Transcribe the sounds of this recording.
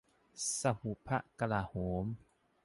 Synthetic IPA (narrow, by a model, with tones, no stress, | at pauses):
sa˧hu˨pʰa˦˥ʔka˧laː˧˨hoː˨˦m